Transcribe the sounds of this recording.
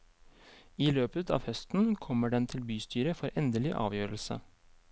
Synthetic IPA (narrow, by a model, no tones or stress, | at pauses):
iːløːpət̪ʰɑ̰ːʋhœst̪n̩kʰɔməɖɛnt̪ʰɪlbyːst̪ʰyːɾəfɔɾʔɛnd̪əlɪʔɑ̰ːʋjøːɾəlsə̰